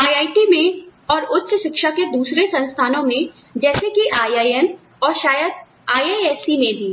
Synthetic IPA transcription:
aːjaːiʈimẽɔːɾʊtːʃəʃɪkʃaked̪uːsɾesɐ̃nst̪ʰaːnõmẽ | d͡ʒɛːsekiʔaːjaːjən | ɔːɾʃaːjəd̪̚ | aːjeːɛːsimẽbʱiː

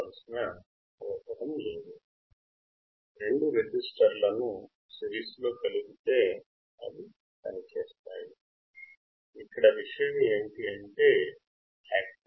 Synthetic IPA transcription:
ɐlusinɐ | ɐʋɐt̪ːɐɾɐmleːd̪u | ɾe̞ɳɖuɾed͡ʒisʈɐɾlɐnu | siɾiːslo̞ːkɐluɡit̪e̞ː | ɐ̰d̪i | pɐnit͡ʃeːst̪aːji | ikːɐɽɐʋiʂɐjɐmie̞ːɳʈiɐɳʈe̞ː | aːk

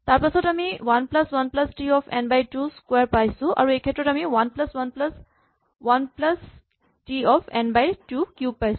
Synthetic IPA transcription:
t̪aɾpasɔtɐmiʋɐnplɐswɐnplɐsʈiɔpʰḛnbajʈuskweɾpajsuʔa̰ɾuekʰeʈɾɔʈɐmiʋɐnplɐswɐnpls | ʋɐnplɐs | ʈiɔpʰḛnbajʈukjub̚pajsu̥

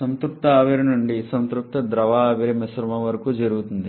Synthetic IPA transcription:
sɐnt̪ɾup̚t̪ɐaːʋeɾɐnuɳɖisɐnt̪ɾup̚t̪ɐd̪ɾɐʋaːʋiɾimɐsɾɐmɐʋɐɾɐkud͡ʒɐɾuɡut̪und̪i

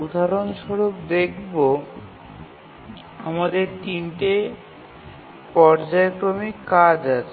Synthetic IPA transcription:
ud̪ʱaɾonʃɔɾok̚d̪ekʰbo | amad̪eɾt̪inʈe | pɔɾd͡ʑaekɾomikːad͡ʑat͡ɕʰe

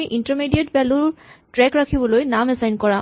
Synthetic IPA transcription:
iʔintaɹmidietpɛlʊɹtɹɛkɹakʰibɔlojnamɛsajnkɔɹã

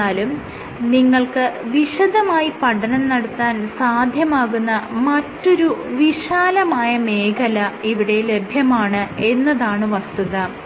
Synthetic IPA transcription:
aːlum | niŋːɐɭkɨʋiɕɐðɐmaːjipɐɽʰɐnɐnnɐɽut̪ːaːnsaːd̪ʱjɐmaːɣunːɐmɐtːo̞ɾuʋiɕaːlɐmaːjɐme̞ːkɐlɐiʋiɽe̞le̞bʱjɐmaːɳɨe̞nːɐðaːɳɨʋɐst̪uðɐ

